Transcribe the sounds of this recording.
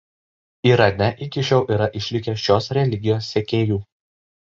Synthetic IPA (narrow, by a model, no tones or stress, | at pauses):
iːɾɐnʲɛʔɪkʲɪʃʲɛʊʔiːɾɐʔɪʃʲlʲɪkʲɛʃʲoːsɾʲɛlʲɪɡʲɪjoːsːʲɛkʲeːjuː